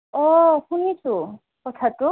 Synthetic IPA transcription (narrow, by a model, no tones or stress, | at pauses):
ɔhunit͡sʰu | kɔt̪ʰat̪u